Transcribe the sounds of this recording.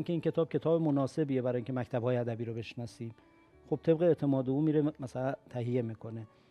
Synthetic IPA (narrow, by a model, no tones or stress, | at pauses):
iŋcʰeiːncʲʰe̞t̪ʰɒːb̥̚cʰʲe̞t̪ʰɒːbemonɒːse̞bije̞bæɾɒːjiŋʲcʰemæct̪ʰæbhɒːjeæd̪æbiːɾobe̞ʃnɒːsiːm | xob̥̚t̪ʰe̞bɣeeʔt̪ʰe̞mɒːd̪euːmiːɾemæsælænt̪ʰæɦije̞miːkʰo̞ne̞